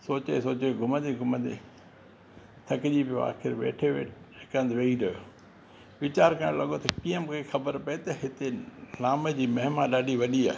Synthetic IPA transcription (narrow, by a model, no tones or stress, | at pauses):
soːt͡ɕesoːt͡ɕeɡʱʊmə̃nd̪eɡʱʊmə̃nd̪ḛ | t̪ʰɐkɪʄipijoa̰ːxɪɾʋḛːʈʰeʋḛːɪkənd̪ʋeːiɾɐjo | ʋɪt͡ɕaːɾkɐ̃lɐɠot̪ɐkijə̃mʊkʰexɐbəɾpɐet̪ɐɦɪt̪elaːmed͡ʑiːmɐɦmaɗaːɗiʋɐɗia̰ːe